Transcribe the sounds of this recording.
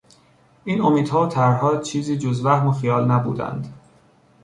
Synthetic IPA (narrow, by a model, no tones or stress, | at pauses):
ʔiːnomiːd̪hɒːot̪ʰæɾɦɒːt͡ʃʰiːziːd͡ʒozvæhmoxijɒːlnæbṵːd̪æ̰nd̪